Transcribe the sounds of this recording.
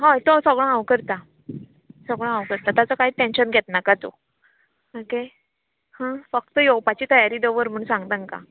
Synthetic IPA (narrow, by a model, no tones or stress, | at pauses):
ɦãt̪osəɡɭãawkəɾt̪a | səɡɭ̃ãawkəɾt̪at̪at͡səkaɦiːʈenɕənɡʱɛt̪nakat͡so̰ | oke | hãfək̚t̪əjowpat͡ɕiːt̪əjaɾiːd̪əʋəɾm̤əɳsãŋɡt̪əŋka̰